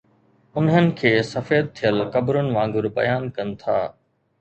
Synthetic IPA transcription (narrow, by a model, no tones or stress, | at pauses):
ʊnɦənɪ̆kʰeːsɐfeːd̪̚t̪ʰːijəlkɐbɾʊnɪ̆ʋãːŋɡʊɾbɐ̰jaːnkɐnɪ̆t̪ʰa̰ː